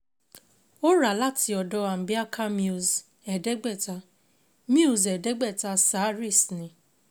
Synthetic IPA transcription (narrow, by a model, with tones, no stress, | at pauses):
o˦ɾa˨la˦ti˧ɔ˨dɔ˧˦a˨m̩˨bi˦a˦kʰa˦mĩ˦u˨z | ɛ˨dɛ˦ɡ͡bɛ˦˨ta˧ | mi˦u˦˨zɛ˨dɛ˦ɡ͡bɛ˦˨ta˧sa˨˦ɾi˦˨snĩ˨